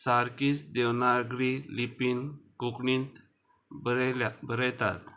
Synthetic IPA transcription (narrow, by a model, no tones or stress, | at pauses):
saɾkiːsd̪ewnaɡɾilipinkukɳint̪ | bəabəɾəjt̪a̰t̪